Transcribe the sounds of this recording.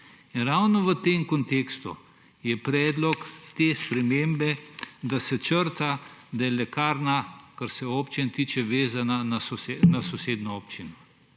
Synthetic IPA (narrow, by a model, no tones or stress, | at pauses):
inɾawnɔʋət̪eːmkɔnt̪eːkst̪ṵ | jɛpɾɛːd̪lɔkt̪eːspɾɛmembɛd̪asɛt͡ʃəɾt̪ad̪ajɛlɛkaːɾnakaɾsɛoːpt͡ʃint̪iːt͡ʃɛʋeːzananasɔsenasɔseːd̪nɔoːpt͡ʃinɔ